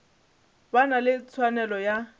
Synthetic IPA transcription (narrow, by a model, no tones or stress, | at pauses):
banalɪt͡sʰwanɛlɔja